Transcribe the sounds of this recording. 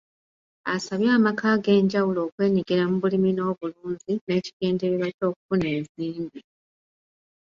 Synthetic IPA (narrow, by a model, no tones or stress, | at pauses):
a̰saβjaːmakaːɡe̞ːɲɟawulo̞ːkwe̞ːɲiɡiɾamuβulimino̞ːβuluːɲzine̞ːci̥ɡe̞ːndeβiβaco̞ːku̥fune̞ːziːmbi